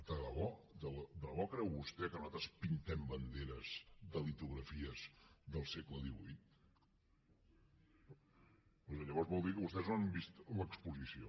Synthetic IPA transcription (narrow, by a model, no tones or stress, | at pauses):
d̪ələβɔd̪əld̪ələβɔkɾɛwβust̪ɛkənuzat̪ɾəspint̪ɛmbənd̪eɾəzðəlit̪uɣɾəfiəzðəlˠsɛkləðiβujt̪̚ | pozəʎəβɔɾzβɔlˠd̪ikəβust̪ɛzoəmbist̪ləkspuzisio